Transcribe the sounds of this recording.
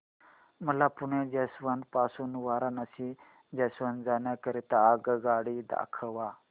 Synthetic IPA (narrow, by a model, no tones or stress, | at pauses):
məlapuɳẽd͡ʒesʋanpasunʋaːɾanasi | d͡ʑesʋand͡zanjakəɾit̪aːɡɡaɽid̪a̰kʰəʋa